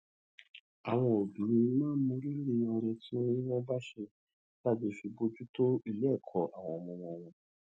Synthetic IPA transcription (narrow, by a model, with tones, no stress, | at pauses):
a˨w̃ɔ̃˧o˨bĩ˨˦ĩ˨˦˧mãː˦mõ˧ɾi˦ɾĩ˦˧˦ã˧ɾɛ˧ti˦o˦nĩ˦wɔ̃˦ba˦ʃe˧ | la˦bi˧˦fi˧bo˧d͡ʒu˦to˦i˧lkʰɔ˨a˨w̃ɔ̃˧˨mɔ̃˧wɔ̃˧˨w̃ɔ̃˧